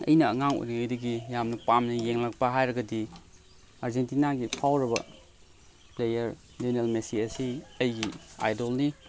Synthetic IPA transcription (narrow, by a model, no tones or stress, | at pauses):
ɐ̰jnɐːŋaŋo̰jniojdɐɡijamnɐpamnɐjeŋlak̚pɐɦajɾɐɡɐdi | aɾzentinaɡipʰawɾɐbɐ̰ | plejɐɾ | denelmesiɐsiɐjɡia̰jdolni